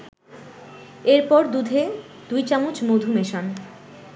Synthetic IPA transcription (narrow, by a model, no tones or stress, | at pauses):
eɾpɔɾd̪ud̪ʱe | d̪̥ujt͡ɕaŋut͡ɕmod̪ʱumeʃan